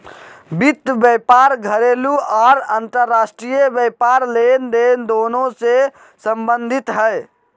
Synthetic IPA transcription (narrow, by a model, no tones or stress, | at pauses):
bit̪ːbjɛpaɾɡʱəɾeluaɾənt̪əɾːasʈɾijebjɛpaɾlend̪end̪onõse | səmbənd̪ʱit̪ɦəj